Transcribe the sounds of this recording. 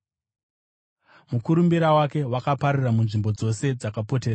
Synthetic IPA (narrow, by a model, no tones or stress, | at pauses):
mukuɾumbiɾawake̞wakapaɾiramunʐimbo̞d͡zo̞se̞d͡zakapo̞teːa